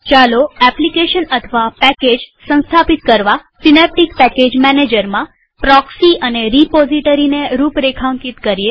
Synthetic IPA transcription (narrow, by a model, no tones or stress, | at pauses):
t͡ʃaloɛplikeʃənət̪ʰəʋapɛked͡ʒsə̃nst̪ʰapit̪̚kəɾʋasinɛp̚ʈikpɛked͡ʒmɛned͡ʒəɾmã | pɾɔksiʔəneɾipɔziʈəɾineɾupɾekʰãŋkit̪kəɾie